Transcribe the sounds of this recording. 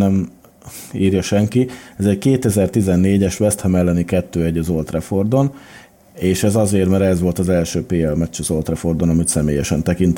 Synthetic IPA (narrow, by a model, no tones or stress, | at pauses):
nɛm | iːrjɒʃɛŋkiɛzɛckeːt̪ɛzɛrt̪izɛnːeːɟɛʃʋɛst̪hɛmɛlːɛnikɛt̪ːøːɛɟːɒzo̞lt̪rɛfo̞rd̪o̞n | eːʃɛzɒzeːrmɛɾɛzʋo̞lt̪ɒzɛlʃøːpeːɛlmɛt͡ʃːɒzo̞lt̪rɛfo̞rd̪o̞nɒmit̪sɛmḛːjɛʃɛnt̪ɛkint̪